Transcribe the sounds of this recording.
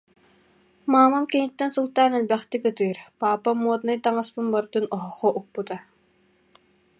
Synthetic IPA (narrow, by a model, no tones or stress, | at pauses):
maːmamkinit̪ːɛnsulˠt̪aːnɛlʲbɛχt̪ikɯt̪ɯːɾpaːpamuɔt̪nɯjt̪aŋaspɯnbɔɾd̪ɯnɔɦɔχɔʔuk̚put̪a